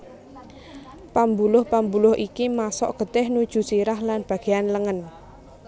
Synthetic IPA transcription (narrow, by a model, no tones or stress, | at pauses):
pambulʊhpambulʊɦʔikimasɔ̰ʔɡ̥ə̤d̪̥ɛhnud̥ʒ̥ṳsiɾahlanb̥ä̤ɡ̥e̤anləŋən